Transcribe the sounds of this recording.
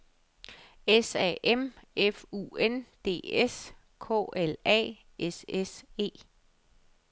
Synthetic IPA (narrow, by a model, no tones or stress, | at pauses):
esɛ̰ʔemefṵːend̥e̝̰ːes | kʰɔ̰ːʔelɛ̰ː | ʔesese̝̰ː